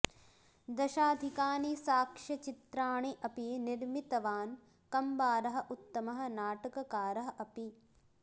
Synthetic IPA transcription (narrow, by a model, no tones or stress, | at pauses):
d̪ɐʃaːd̪ʱikaːnisaːkʂɐt͡ʃit̪ɾaːɳiʔɐpiniɾmit̪ɐʋaːn | kɐmbaːɾɐɦɐ̆ʔut̪ːɐmɐɦɐ̆naːʈɐkɐkaːɾɐɦɐ̆ʔɐpi